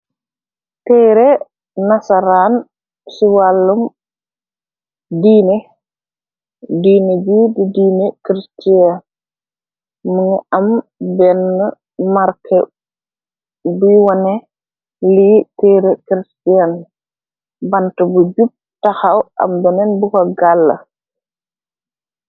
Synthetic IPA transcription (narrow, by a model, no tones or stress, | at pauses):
tɛɾɛ | nasaɾan | siwalːum | diːnɛ | diːned͡ʒididiːnɛkɾistian | muŋambɛnːə | maɾkʰɛ | biwɔnɛ | litɛɾɛkɾistian | bantabud͡ʒub̚taxawʔa̰mbɛnɛnbukɔɡalːa̰